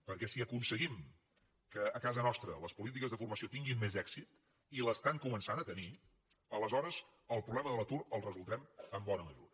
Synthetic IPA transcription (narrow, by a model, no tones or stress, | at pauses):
pəɾkɛsiəkunsəɣim | kəːkazənɔst̪ɾələspulit̪ikəzðəfurməsiot̪iŋɡimːezɛksit̪ | iləst̪aŋkumənsanət̪əni | ələzɔɾəz | əlˠpɾuβlɛməðələt̪uɾəlˠrəzulˠd̪ɾɛməmbɔnəməʒuɾə